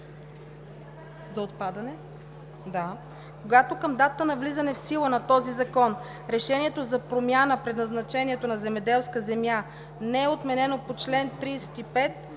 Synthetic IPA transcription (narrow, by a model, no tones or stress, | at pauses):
zɐot̪̚pad̪ɐnɛ | d̪a | koɡat̪okəmd̪at̪t̪ənɐvlizɐnɛfsilˠənɐt̪ɔzizɐkɔn | ɾɛʃɛniɛt̪ozɐpɾomjanəpɾɛd̪nɐznɐt͡ʃɛniɛt̪onɐzɛmɛd̪ɛlˠskəzɛmja | nɛɛot̪mɛnɛnopot͡ʃlɛnt̪ɾiːsɛ̥t̪ipɛt̪̚